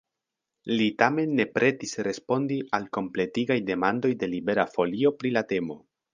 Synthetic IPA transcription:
litame̞nːe̞pɾe̞tisɾe̞spo̞ndiʔalko̞mple̞tiɡajde̞mando̞jde̞libe̞ɾafo̞lio̞pɾilate̞mo̞

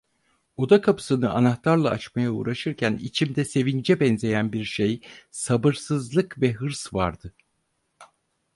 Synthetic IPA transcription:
o̞d̪akʰapʰɯ̥sɯnɯʔanaxt̪ʰaɾlˠaːt͡ʃmajaṵɾaʃɯɾcʰænḭt͡ʃʰimd̪ɛse̞vind͡ʒɛbɛnze̞jænbiɾʃejsabɯɾsɯzlˠɯkvɛɦɯɾsvaɾd̪ɯ

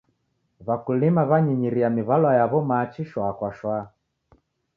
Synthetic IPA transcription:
βakulimaβaɲiɲiɾiamiβalwajaβɔmaːt͡ʃiʃwakwaʃwa

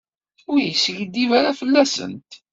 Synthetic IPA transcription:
ʊɾjəsʝd̪ːivaɾafəlːæsə̰nt̪

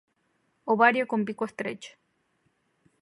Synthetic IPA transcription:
oβaɾjokompikwest̪ɾet͡ʃ

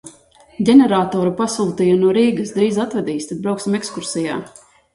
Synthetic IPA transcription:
ɟʲenɛɾaːt̪ɔːɾupasuːt̪ijunuɔɾiːɡɨsd̪ɾiːzat̪vɛd̪iːst̪ad̪̚bɾawksimekskuɾsija̰ː

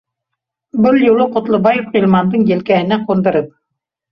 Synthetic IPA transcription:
bɘlˠjŭlˠɤqŏt̪lˠɤ̆bɑjɤfilʲˠmɑnd̪ɤɴjɘ̆lkæɦɘ̆næqŏnd̪ɤ̆ɾɤp̚

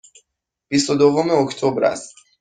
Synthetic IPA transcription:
b̥is̬t̪od̪ovomeokʰt̪ʰobɾæ̰st̪

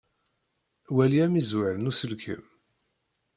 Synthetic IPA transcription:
wæliæmizwəɾənusəlkʰə̰m

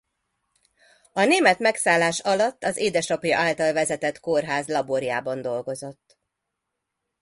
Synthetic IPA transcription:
ɒneːmɛt̪mɛksaːlːaːʃɒlɒt̪ːɒzeːd̪ɛʃɒpjɒ̰ʔaːlt̪ɒlvɛzɛt̪ɛt̪korɦaːzlɒboɾjaːbɒnd̪o̞lɡo̞zo̞t̪ː

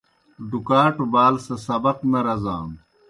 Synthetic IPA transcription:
d̪ukaːʈbaːlsɐsɐbɐqnɐɾɐzãːn

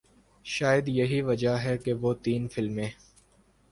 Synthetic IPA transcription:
ʃaːjəd̪jɐɦiʋɐd͡ʒaɦɛkeʋot̪iːnfɪlmẽː

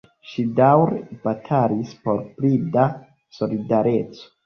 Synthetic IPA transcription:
ʃidawɾbatʰalispo̞ɾplida | so̞lidaɾe̞t͡so̥

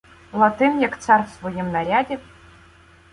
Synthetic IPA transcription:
lˠɐt̪ɨnjakt̪sarfsvɔjimnaɾʲadʲɛ

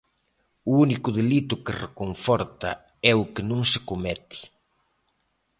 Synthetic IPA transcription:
ʊunikʊðelit̪ʊkɪrekoɱfɔɾt̪ɐ̰ | ɛʊkɪnõŋsɪkomɛt̪ɪ̥

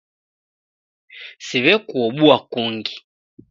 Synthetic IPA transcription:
siβɛkuɔɓuakuŋɡi̥

